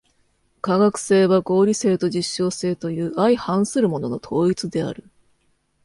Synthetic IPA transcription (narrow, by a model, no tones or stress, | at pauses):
kaɡakɯ̟̥se̞ːβaɡo̞ːɾʲise̞ːt̪o̞ʑiɕːo̞ːse̞ːt̪o̞jɯ̟ːaihãɰ̃sɨɾɯ̟mo̞no̞no̞t̪ʰo̞ːit͡sɨd̪e̞a̰ɾɯ̟